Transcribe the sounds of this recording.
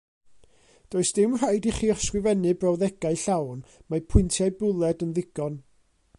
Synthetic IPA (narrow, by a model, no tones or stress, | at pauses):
d̥oːɨsd̥ɪmr̥ajdiχi̥ːskrɪvɛnɨbrɔwðɛɡaɨɬawnmapʰʊɨntʰjajbʊlˠɛdənðɪɡ̥ɔn